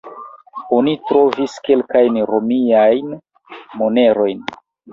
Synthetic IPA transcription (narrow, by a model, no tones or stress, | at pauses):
o̞nitɾo̞viske̞lkajnɾomiajn | mo̞ne̞ɾo̞jn